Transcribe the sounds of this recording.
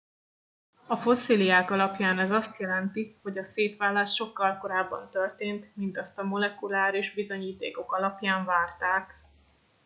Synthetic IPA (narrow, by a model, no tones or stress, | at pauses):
ɒfo̞siliaːkɒlɒpjaːnɛzɒst̪jɛlɛnt̪iho̞ɟɒseːt̪ʋaːlːaːʃʃo̞kːɒlko̞ɾaːbːɒ̰nt̪ørt̪eːnt̪mint̪ɒst̪ɒmo̞lɛkulaːɾeʒbizo̞ɲiːt̪ḛːko̞kɒlɒpjaːɱvaːrt̪aːk